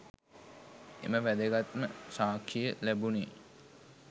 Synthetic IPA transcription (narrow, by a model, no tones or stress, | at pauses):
ḛməʋæd̪əɡat̪məsaːkʰːijəlæbuni